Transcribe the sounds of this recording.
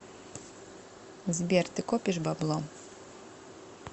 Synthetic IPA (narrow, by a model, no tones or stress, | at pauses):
zʲbʲert̪ɨkopʲiʃbablˠom